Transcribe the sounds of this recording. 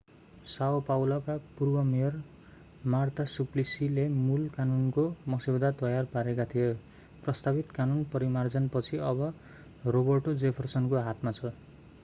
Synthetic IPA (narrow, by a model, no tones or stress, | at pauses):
sawpawlʌkapurbʌmejʌr | mart̪ʰasuplisilemulkanunkomʌsibd̪at̪ʌjarpaɾekat̪ʰije | prʌst̪abit̪kanunpʌɾimard͡zʌnpʌt͡sʰiʌbʌ | robʌrʈod͡zepʰʌrsʌnkoɦat̪mat͡sʰʌ